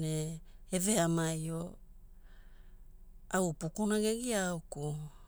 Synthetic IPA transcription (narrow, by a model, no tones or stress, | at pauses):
neeve̞amajo̞ | awpukunaɡe̞ɡiawku